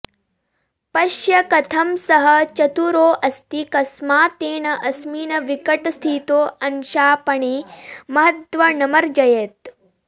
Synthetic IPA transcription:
pɐʃjɐkɐt̪ʰɐmsɐɦɐ̆t͡ʃɐt̪uɾoːʔɐst̪ikɐsmaːt̪eːɳɐʔɐsmiːnɐʋikɐʈɐst̪ʰiːt̪oːɐnʃaːpɐɳeːmɐɦɐt̪ʋɐnɐmɐɾd͡ʒɐjet̪̚

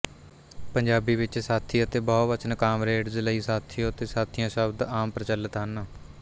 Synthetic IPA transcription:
pəɲd͡ʒaːbiːʋɪt͡ʃsaːt̪ʰiːət̪eːbɔːʋət͡ʃənkaːmɾeːʈzləiːsaːt̪ʰijõːət̪eːsaːt̪ʰɪjãːʃəbd̪aːmpɾət͡ʃələt̪ɦən

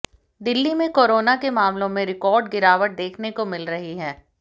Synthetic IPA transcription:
d̪ɪlːimẽkoːɾoːnakemaːmlõmẽɾɪkɔːɾɖɡɪɾaːʋəʈ̚d̪eːkʰnekomɪlɾɐɦiɦɛː

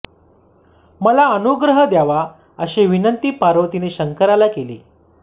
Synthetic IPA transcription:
məlaənuɡɾəɦəd̪jaʋa | əɕeʋinənt̪iːpaɾot̪ineɕəŋkəɾalakelḛː

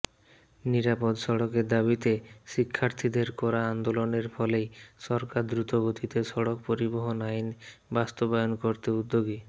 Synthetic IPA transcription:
niɾapod̪ʃɔɽokeɾd̪abit̪eʃikʰːaɾt̪ʰid̪eɾkɔɾaand̪oloneɾfʰɔlejʃɔɾkaɾd̪ɾut̪oɡot̪ʰit̪eʃɔɽok̚poɾiboɦonajnbast̪obajonkoɾt̪eud̪ːoɡi

